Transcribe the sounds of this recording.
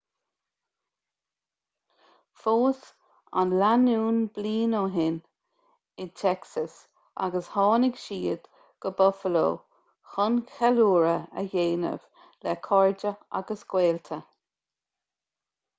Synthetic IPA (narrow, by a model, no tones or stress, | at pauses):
foːs | a̰nlanuːnbliːnoːɦɪn | ɪt̪ʰɛksəs | ʔa̰ɡəshɑːnɪɡʃiːəd̪̥ | ɡ̥əbɔfəlo̰ː | xʊnxɛluːɹəə̰jeːnə̰v̥ | lɛkʰɔɹd͡ʒəa̰ɡəsɡ̥weːlt̪ʰə